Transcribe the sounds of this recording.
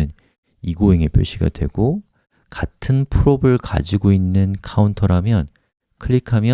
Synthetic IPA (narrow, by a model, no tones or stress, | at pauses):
ɯn | iɡoeŋepjʌɭɕ͈iɡa̰dwe̞̰ɡ̥o | katʰɯnpʰuɾobɯɭka̰d͡ʑiɡoinːɯnkʰauntʰʌɾamjʌn | kʰɯʎikʰamjʌ